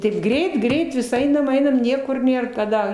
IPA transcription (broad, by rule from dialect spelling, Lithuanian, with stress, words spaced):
tɐɪp ˈɡrʲɛɪt ˈɡrʲɛɪt ʋʲɪs ˈɐɪnɐm ˈɐɪnɐm ˈnʲiɛkʊr ˈnʲeːr kɐˈdɐ